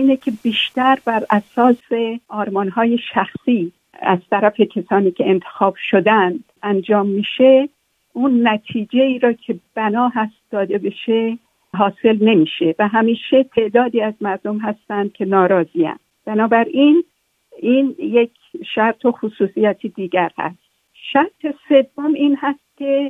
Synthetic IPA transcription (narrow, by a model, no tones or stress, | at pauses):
iːnecʰe̞biːʃt̪æɾbæɾʔæsɒːse̞ʔɒːɾmɒːnɦɒːje̞ʃæxsiː | æ̰z̥t̪ʰæɾæfe̞cʰæsɒːniːcʰe̞ent̪ʰexɒːb̥ʃod̪ænd̪ | ænd͡ʒɒːmːiːʃe | ʔunːæt̪ʰiːd͡ʒe̞iːɾɒːkʰe̞b̥ænɒːɦæst̪d̪̥ɒːd̪e̞be̞ʃe | ɦɒːse̞lne̞miːʃe̞væɦæmiːʃe̞t̪ʰe̞ʔd̪ɒːd̪iːæzmæɾd̪o̞mɦæst̪ænd̪̚kʰe̞nɒːɾɒːziːæ̰nd̪b̥ænɒːbæɾin | iːnje̞kʰ | ʃæɾt̪ʰoxusuːsijɒːt̪ʰid̪iːɟæɾhæ̰st̪ | ʃæɾt̪ʰe̞se̞vːomiːnhæst̪̚cʲʰe̞